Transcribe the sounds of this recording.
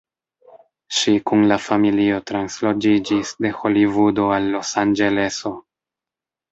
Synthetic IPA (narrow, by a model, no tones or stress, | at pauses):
ʃikunlafamilio̞tɾanslo̞d͡ʒid͡ʒisde̞xo̞livudo̞alːo̞sand͡ʒe̞le̞so̞